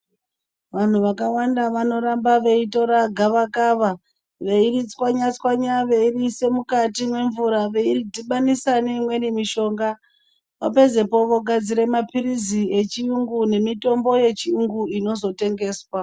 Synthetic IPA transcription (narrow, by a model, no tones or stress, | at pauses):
ʋan̤uʋakawandaʋano̞ɾambaʋe̞ito̞ɾaɡʱaʋakaːʋa | ʋe̞irit͡swaɲat͡swaɲaʋe̞irise̞mukatimwe̞ɱvuɾaʋe̞iridiɓanisaneimwe̞nimiʃo̞ːŋɡa | ʋape̞ze̞po̞ʋo̞ɡʱad͡ziɾe̞mapirizie̞t͡ʃiuŋɡune̞mito̞mbo̞je̞t͡ʃiuŋɡuino̞zo̞te̞ŋɡe̞ːswa